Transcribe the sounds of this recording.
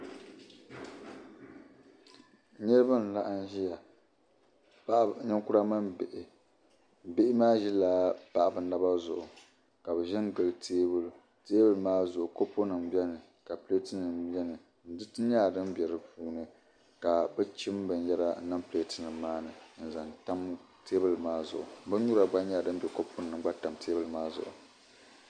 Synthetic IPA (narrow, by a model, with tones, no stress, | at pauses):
ɲɛ˦ɾɨ˦ba˦n˨la˦ʔn˦ʒi˦ja˨ | ɲɛ˦ŋkʊ˦ɾa˦ma˦mʔ | bɪ˦ʔɪ˦maː˦ʒi˦laː˦pa˦˨ʔa˨bɨ˨na˦ba˦zʊ̰˨ʔʊ˨ | ka˨bɛ˨ʒɛ˦n˦ɡ͡bɨ˨ltʰeː˦bl | teː˦bɨ˦lmaː˦zʊ˨ʔʊ˨ko˦po˦nɨ˨mbɛ˦nɨ˨ | ka˨ple˦tɨ˦nɨ˨m˦ɛ˦nɨ˨ | n̩˨˦dɨ˦tɨ˦ɲaː˦˨dɨ˦mbɛ˨ɾɨ˨puː˦nɨ˨ | ka˨bɨ˦t͡ʃɪ˦m˦bɨ˨n˦jɛ˦ɾa˦na˦mple˦tɨ˦nɨ˨mːaː˦nɨ˨n̩˨za˨nta˦m˦ | teː˦bɨ˦lmaː˦zʊ̰˨ʔʊ̰˨˦bɨ˦ɲu˦ɾa˨ɡ͡ba˦ɲaː˦˨dɨ˦m˦bɛ˨ko˦po˦n˨nɨ˨˦ɡ͡ba˦ta˨mtʰeː˦bɨ˦lmaː˦zʊ̰˨ʔʊ̰˨